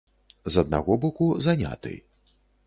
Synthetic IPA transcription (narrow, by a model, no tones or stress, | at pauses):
zɐd̪̚na̰ɣɔbɔkuzanʲa̰t̪ɨ̰j